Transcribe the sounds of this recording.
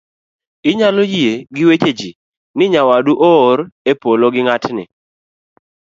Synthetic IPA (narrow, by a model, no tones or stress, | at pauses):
ɪɲalojieɡɪwet͡ʃed͡ʒi | nɪɲawaduʔɔːɾepoloɡɪŋatnɪ̰